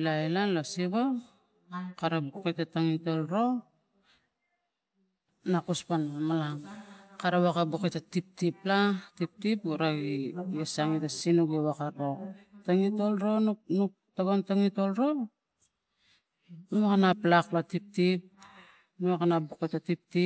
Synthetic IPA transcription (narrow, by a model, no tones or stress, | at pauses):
lajlanlosiβo | kaɾabukejtataŋito̞lɾo̞ | nakuspanmalaŋkaɾawakabuketatip̚tiplatip̚tipuɾaɡijesaŋitasinuɡewakaɾotaŋito̞lɾo̞nnuk̚taɡontaŋito̞lɾo̞ | numakanaplaklatip̚tip̚ | nuwakanabuketatip̚ti